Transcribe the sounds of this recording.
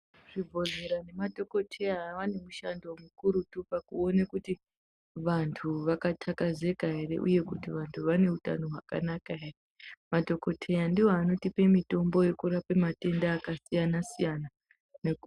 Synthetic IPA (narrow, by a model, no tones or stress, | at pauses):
ʐib͡vʱo̞zeɾane̞madʱo̞ko̞tʰe̞jaɦʋanemuʃa̰ndomukuɾutupakuo̞nekuti | ʋantʰuʋakatʰakaze̞kaɦe̞ɾe̞̰ʔṵje̞kutiʋantʰuʋane̞uta̰no̞ɦwaka̰nakaɦeremadʱo̞ko̞tʰe̞jandiwoano̞tipe̞mito̞mbo̞je̞kuɾapemate̞ndaːkasijanasijana | nek